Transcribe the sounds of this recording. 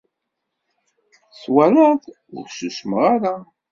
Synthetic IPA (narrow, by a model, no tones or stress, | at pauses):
swæɾæθ | ʊ̰ɾʃəʃməʁaɾa